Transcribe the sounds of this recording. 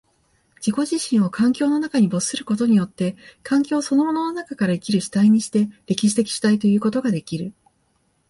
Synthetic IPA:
d͡ʑiko̞ʑiɕĩɰ̃o̞kʰãŋkʲo̞ːno̞nakaɲ̟ibo̞sɨ̥sɨɾɯ̟̥ko̞t̪o̞ɲ̟ijo̞t̪ːe̞kãŋkʲo̞ːso̞no̞mo̞no̞no̞nakakaɾaikʲiɾɯ̟ɕi̥t̪aiɲ̟iɕi̥t̪e̞ɾʲe̞kʲiɕ̬i̥t̪e̞kʲi̥ɕi̥t̪ait̪o̞jɯ̟ːko̞t̪o̞ɡad̪e̞kʲiɾɯ̟

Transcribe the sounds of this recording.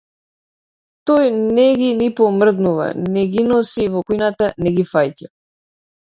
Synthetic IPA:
t̪ɔjnɛɡinipɔmr̩d̪nuva̰nɛɡinɔsivɔkujnat̪anɛɡifajc̪a

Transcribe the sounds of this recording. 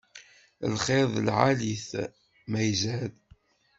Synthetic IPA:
lχeðˤlʕaliθ | mæjzæl

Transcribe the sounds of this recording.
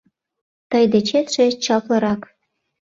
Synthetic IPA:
t̪ɤjd̪et͡ɕet̪ʃĕt͡ɕɑplɤ̆ɾɑk

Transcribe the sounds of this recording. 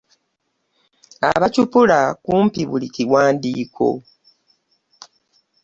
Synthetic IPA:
a̰βacupulakuːmpiβuliciwaːndiːkʰo̞̰

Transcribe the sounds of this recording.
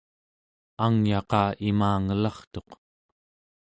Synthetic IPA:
aŋjɑqɑːʔimaːŋəlɑχt̪o̞q

